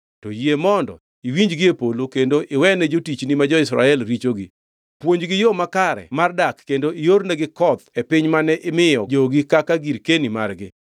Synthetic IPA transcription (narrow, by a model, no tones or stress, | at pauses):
tɔjiemɔndɔ̰ | iwiɲd͡ʒɡɪepolokendoʔɪwɛnɛd͡ʒotit͡ʃnimad͡ʒɔɪsɾa̰ɛlɾit͡ʃoɡɪ̰ | pwoɲd͡ʒɡɪjomakaɾɛ̰mardakːendoɪjornɛɡɪkɔd̪epɪɲmanɛʔɪmɪjɔd͡ʒoɡɪkakaɡiɾkenima̰rɡɪ̰